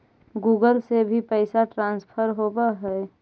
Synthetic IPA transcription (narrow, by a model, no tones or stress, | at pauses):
ɡuːɡəlsebʱipɛɪsaʈɾãːnspʰəɾɦoːbaɦɛ